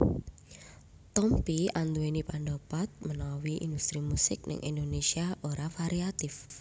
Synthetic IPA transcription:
t̪ɔmpiand̪uenipanɖopat̪̚mənawiʔḭnd̪ust̪ɾimusɪk̚nə̰ŋʔḭnd̪onesiaʔoɾafaɾiat̪ɪf

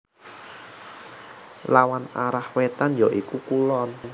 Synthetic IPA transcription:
lawanaɾahwet̪anjɔʔikukulɔn

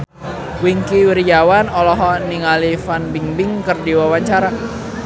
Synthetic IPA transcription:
wiŋkiwiɾjawanɔlɔɦɔniŋalifanbiŋbɪŋkɨrdiwawaɲt͡ʃaɾa

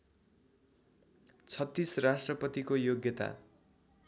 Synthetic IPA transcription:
t͡sʰʌt̪ːisrasʈrʌpʌt̪ikojoɡjʌt̪a̰

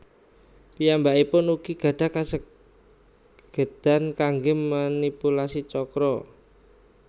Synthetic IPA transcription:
pijambaipʊnuɡ̥iɡ̥ä̤ɖ̥a̤kasə | ɡ̥ə̤d̪̥a̤nkaŋɡemanipulasit͡ʃɔkɾɔ

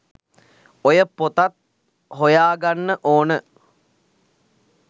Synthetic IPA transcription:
ojəpot̪at̪̚ | ɦojaːɡanːəʔoːnə

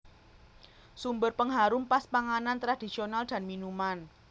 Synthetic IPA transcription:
sumbərpəŋɦaɾumpaspaŋanant̪ɾad̥isionald̪̥a̤nminuman

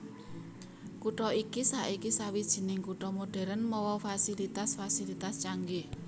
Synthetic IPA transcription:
kuʈɔikisaʔikisawid̥ʒ̥i̤nɪŋkuʈɔmoɖ̥ɛ̤ɾənmɔwɔfasilit̪asfasilit̪ast͡ʃaŋɡe

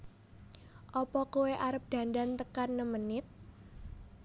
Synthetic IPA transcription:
ʔɔpɔkoweʔaɾəp̚d̪̥a̤nd̪ant̪əkanːəmənɪt̪̚

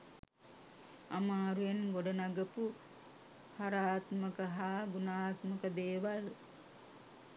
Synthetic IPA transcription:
amaːɾujenɡoɖənaɡəpu | haɾaːt̪məkəɦaːɡunaːt̪məkəd̪eːʋal

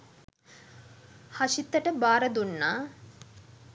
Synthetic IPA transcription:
haʃit̪ːəʈəbaːɾəd̪unːaː

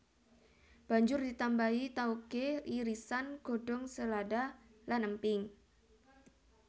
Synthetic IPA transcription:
b̥a̤ɲd͡ʒʊrdit̪ambait̪aukeʔiɾisanɡ̥o̤ɖ̥ɔŋsəladalanəmpɪŋ

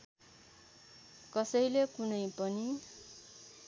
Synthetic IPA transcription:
kʌsʌjlekunʌjpʌni

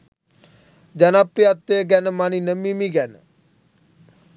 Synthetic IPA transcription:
d͡ʒanapiat̪ːeːɡɛnmaninəmĩːmĩːɡɛn

